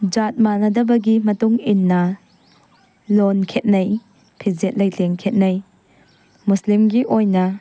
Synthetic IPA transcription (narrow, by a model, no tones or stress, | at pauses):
d͡ʒat̚manɐdɐbɐɡimɐtuŋinːɐ | lɔnkʰet̚nɐj | pʰizet̚lɐjɬʰeŋkʰet̚nɐj | muslimɡiʔojnɐ